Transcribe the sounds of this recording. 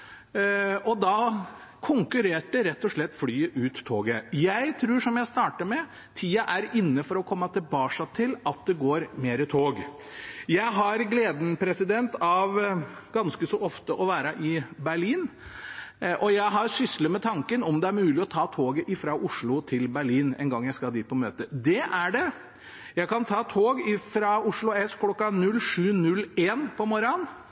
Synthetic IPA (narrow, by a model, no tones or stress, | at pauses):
ʔɔd̪ɑkʰʊŋkʉɾeːʈəɾɛt̪ːɔʂɭɛt̪ːflyːəʔʉːt̪ʰːoːɡəjæɪt̪ʰɾʉːʂɔmjæɪst̪ɑːʈəmɛ | t̪ʰiːɑʔæɾɪnːəfɔɾɔkʰɔmːɑt̪ʰɛbɑːʂɑt̪ʰɪlɑt̪̚d̪ɛɡoːɾmeːɾət̪ʰoːɡ | jæɪɦɑɾɡleːd̪n̩pʰɾɛsɪd̪ɛnt̪ɑʋɡɑnskəsɔʔɔft̪əʔɔʋæːɾɑʔɪbæɭiːn | ʔɔjæɪɦɑɾʂʏsləmɛt̪ʰɑŋkənɔmd̪ɛæɾmʉːlɪɔt̪ʰɑːt̪ʰoːɡəʔɪfɾɑʔʊʂɭʊt̪ʰɪlbæɭiːnɛ̰nɡɑŋːjæɪskɑd̪iːt̪̚pʰɔmøːt̪əd̪ɛʔæɖɛ | jæɪkʰɑnt̪ʰɑːt̪ʰoːɡɪfɾɑʊʂɭʊɛskʰlɔkːɑnʉlʂʉːnʉlːeːnpʰɔmɔɾɑn